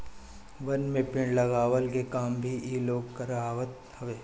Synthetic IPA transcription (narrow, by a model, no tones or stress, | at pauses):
ʋɐnmẽpɪ̃ɳlɐɡaːʋəlkekaːmbʱiiːloːɡkəɾaːʋət̪̚ | hɐʋeː